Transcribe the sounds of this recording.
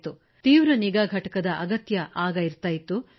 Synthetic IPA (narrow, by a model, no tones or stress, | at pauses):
t̪u | t̪iːʋɾɐniɡaːɡʱɐʈɐkɐd̪ɐʔɐɡɐt̪jɐʔaːɡɐiɾt̪aːjit̪u